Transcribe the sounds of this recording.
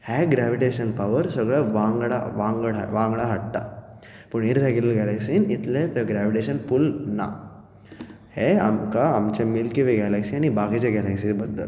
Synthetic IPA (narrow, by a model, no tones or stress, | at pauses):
hɛːɡɾaːʋiʈeːʃɐnpɐʋɐɾsɔɡɐʋaːŋɡɐɽa̰ʋaːŋɡɐɽɐ̰ʋaːŋɡɐɽaɦɐʈːa̰ | puniɾɾeɡulɐlɡaːlɐksinit̪let̪ɐɡɾaːʋiʈeːʃɐnpulna̰ | heɐ̰mkaɐmt͡ʃɐmilkiʋeɡaːlɐksiɐnibaːkit͡ʃeɡaːlɐksibɐnd̪ɐl